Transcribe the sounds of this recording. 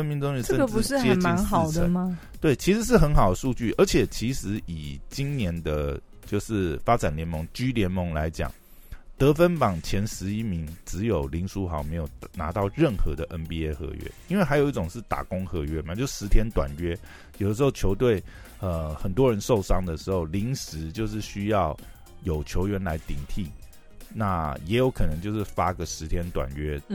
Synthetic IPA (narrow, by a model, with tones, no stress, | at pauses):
ə˥nmi˧˥nt͡so˥ŋɛ˥ə˥ə˥˧ɡə˨pu˧˥ʂɻ̩˥t͡ɕjɛ˨˥nt͡ɕim˥˧˦nxɑ˨˩˥ʊd̪ʰəə˧˦nmɐ˨ | t̪we˥˩ɪt͡ɕʰi˧˥ʂɻ̩˧˥ʂ̬ɻ̩˥˩xə˧˥nxɑ˨˩ʊd̪ə˩˦ʂu˥˧t͡ɕy˥˩ʔə˞˧˥t͡ɕʰjɛ˨˩t͡ɕʰi˧˥ʂɻ̩˧˥i˨˩t͡ɕi˥nnjɛ˧˦˥nd̪ə˧ | t͡ɕjo˥˧ʊʂɻ̩˥˩fa˥ʈ͡ʂa˨˩nljɛ˧˥nmo˧˥ŋt͡ɕy˥ljɛ˧˥nmə˧˥ŋla˧˦ɪt͡ɕjɑ̰˨˩ŋ | t̪ɤ˧˥fə˥npɑ˨˩ŋt͡ɕʰjɛ˧˥nʂɻ̩˧˥i˥mi˧˥ŋʈ͡ʂɻ̩˧˦jo˨˩ʊli˧˥nʂu˥xɑ˧˥ʊme˧˥ɪjo˨˩ʊna̰˧˥t̪ɑ˥˧ʊɻə˥˩nxɤ˧˥˦d̪ə˨ʔə˦npi˥˧e˥ɪxɤ̰˧˥ɥɛ̰˥˦i˥nwe˥˩xa˧˥ɪjo˨˩ʊi˥˩ʈ͡ʂʊ˨˩ŋʂɻ̩˥˩t̪a̰˨˩kʊ˥ŋxɤ˧˥ɥɛ˥ma˨t͡ɕjo˥˧ʊʂ̩˥˩ʂɻ̩˧˥t̪ʰjɛ˥nt̪wa̰˨˩nɥɛ˥ | jo˨ʊd̪ə˦ʂ̬ɻ̩˧xo˥˩ʊt͡ɕʰjo˧˥ʊt̪we˥˩ɪ | ə˧xə˨˩nt̪wɔ˥ɻə˧˦˥nʂo˥˩ʊʂɑ˥ŋd̪ə˨ʂɻ̩˧˥xo˥˩ʊli˧˥ŋʂɻ̩˧˥t͡ɕjo˥˧ʊʂ̬ɻ̩˥˩ɕy˥jɑ˥˩ʊ | jo˨˩ʊt͡ɕʰjo˧˥ʊɥɛ˧˥nla˧˥ɪt̪i˨˩ŋt̪ʰi˥˩ | na˥˩jɛ˧˥jo˧˥ʊkʰɤ˨˩nɤ˧˦ŋt͡ɕjo˥˧ʊʂɻ̩˥˩fa˥ɡə˨ʂɻ̩˧˥t̪ʰjɛ˥nt̪wa̰˨˩nɥɛ˥